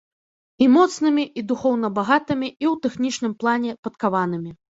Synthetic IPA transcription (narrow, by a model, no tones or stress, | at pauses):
imɔt̪snɨmʲiʔid̪uxɔwnɐbaɣat̪ɨmʲiiwt̪ɛxnʲit͡ʂnɨmplˠanʲɛpɐt̪kavanɨmʲi